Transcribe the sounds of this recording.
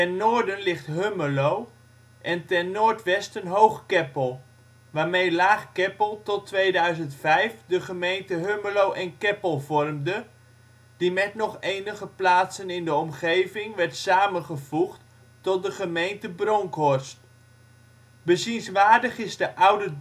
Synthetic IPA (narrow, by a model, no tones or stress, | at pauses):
tɛnːoːɹdənlɪχtɦøməlow | ʔɛntɛnːoːɹtʋɛstənɦowχkɛpəlˠ | ʋaːɹmejlaːχkɛpəlˠtɔtʋejdœɥzəntfɛjfdəχəmejntəɦøməlowʔɛnkɛpəlˠvɔrmdə | d̥imɛtnɔχejnəχəplaːtsənɪndəɔmχejvɪŋʋɛɹtsaːmənχəv̥uχtː | ɔt̚dəχəmejntəbrɔŋkɔrst | bəzinsʋaːɹdəχɪzdəʔʌwdə